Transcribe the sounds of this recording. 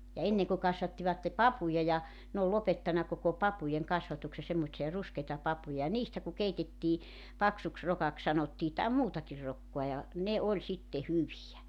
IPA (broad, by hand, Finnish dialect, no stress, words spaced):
jɑ enːeŋ ku kɑsʋɑtːiʋɑtːe pɑpujɑ jɑ n oːl lopetːɑnɑ koko pɑpujeŋ kɑsʋɑtukse semːotsiɑ ruskeitɑ pɑpujɑ jɑ niːstæ ku keitetːiː pɑksuks rokɑk sɑnotːiː tɑˑem muːtɑkir rokːoɑ jɑ ne olʲ sitːe hyʋijæ